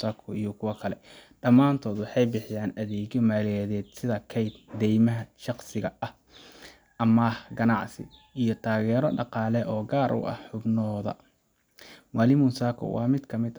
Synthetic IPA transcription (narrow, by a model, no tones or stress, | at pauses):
saːkʰɔijɔkʰʊwɐkʰɐlɛɖɐmaːnt̪ʰɔːd̪wɑħɑjbɪħɪjaːnɐðɛːɣɔmaːlɪjɐðɛːd̪sɪðɐkʰɛjd̪d̪ɛjmɐɦɐʃɑqsɪɣɐʔɐh | ʔɐmɐhɡɐnɑʕsɪ̰ijɔt̪ʰaːɣɛːɾɔɖɑqɑːlɛʔɔːɡaːɾʔʊ̰ʔɐ̰hħʊbnɔːðɐ̰ | maːlɪmʊsaːkʰɔ̰wʔɑ̰ːmɪd̪kʰɐmɪd̪